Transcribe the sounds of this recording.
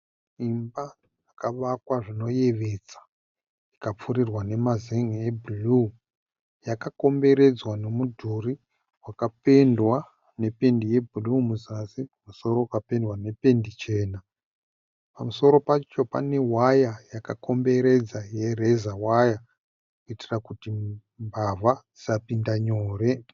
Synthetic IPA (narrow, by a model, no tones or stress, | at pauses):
imba | jakaʋakwaʐino̞je̞ʋet͡sḁ | ikap͡furirwane̞mazeŋebʱulu | jakako̞mbe̞ɾe̞d͡zwane̞mudʱuri | wakape̞ndwa | ne̞pe̞ndije̞bʱulumuzasipamuso̞ɾo̞kape̞ndwane̞pe̞ndit͡ʃe̞ːna | pamuso̞ɾo̞pat͡ʃo̞pa̰ne̞wajajakako̞mbe̞ɾe̞d͡zaje̞re̞zawaja | kuitirakuti | mbavad͡ziapindaɲoːre̞